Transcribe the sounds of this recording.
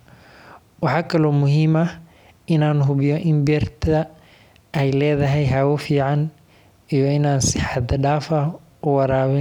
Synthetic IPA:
wɑħɑːkʰɐlɔːmʊɦiːmɐ | ɪnaːnɦʊβɪjɔʔɪmbɛrt̪ʰɐ | ɛjlɛːðɐɦɛjɦawʊfiːʕɑn | ijɔɪnaːnsɪħɑd̪ɐɖaːfɐ | ʊwɑɾaːβɪn

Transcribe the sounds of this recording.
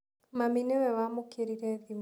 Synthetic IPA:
maminɛwɛwamokʰeɾiɾɛðim

